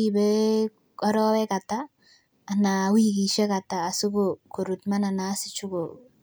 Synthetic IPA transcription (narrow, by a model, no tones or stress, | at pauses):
ibɛ | ɔɾɔwɛkataː | nawikiʃɛkataːsʊkokoɾutmananasɪt͡ʃuko